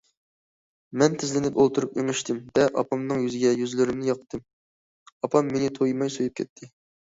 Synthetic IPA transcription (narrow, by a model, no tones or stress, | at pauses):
mɛnt̪ʰɪzlɪnɪpolˠt̪ʰuɾupeŋɨʃt̪ʰɪmvɛʔɑ̰pʰɑmnɨŋjyzɪɡʲɛjyzlyɾɪmnɪjɑqt̪ʰːɨm | ɑpʰɑmːenɪt̪ʰojmɑjsojup̚kʲʰɛt̪ʰːɪ